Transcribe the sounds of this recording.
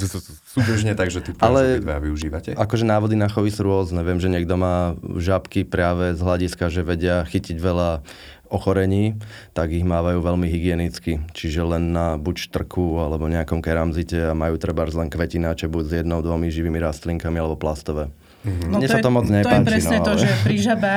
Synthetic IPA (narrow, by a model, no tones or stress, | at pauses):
sud̪r̩ʒɲɛt̪aɡʒɛt̪ialɛʋɛaʋiuʒiːʋacɛakɔʒɛnaːʋɔd̪inaxɔʋisuɾʊɔznɛʋɪɛmʒɛɲɛɡd̪ɔmaːʒapkipɾɪaːʋɛzɦlaɟiskaʒɛʋɛɟɪaxiciɟʋɛʎa | ɔxɔɾɛɲiː | t̪aɡiɣmaːʋajuːʋɛlmiɦiɡɪɛnit͡skit͡ʃiʒɛlɛnːabuct̪r̩kʰualɛbɔɲɛakɔmkɛɾamzicɛamajuːt̪r̩baɾzlɛnkʋɛcinat͡ʃɛbuɟzjɛd̪nɔʊd̪ʋɔmiʒiʋiːmiɾast̪liŋkamialɛbɔplast̪ɔʋɛ | ɲɲɛsat̪ɔmɔd͡zɲɛp̪aɛpɾɛsɲɛt̪ɔʒɛpɾiʒabɛ